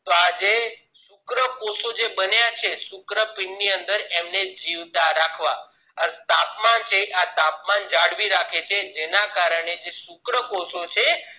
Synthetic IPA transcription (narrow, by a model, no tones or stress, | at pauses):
t̪oad͡ʒe | sʊkɾəkosod͡ʒebənjat͡ʃʰesukɾəpiɳːiənd̪əɾemned͡ʒiʋt̪aɾakʰʋa | ət̪apmant͡ʃʰeʔat̪apmand͡ʒaɽʋiɾakʰet͡ʃʰed͡ʒenakaɾəɳ̃ed͡ʒesukɾəkosot͡ʃʰe